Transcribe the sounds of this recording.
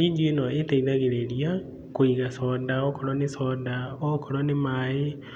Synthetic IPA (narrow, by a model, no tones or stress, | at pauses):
iːd͡ʒuenɔetɛiðaɣeɾeɾia | koiɣasɔːdaɔkɔɾɔnesɔdaɔkɔɾɔnemae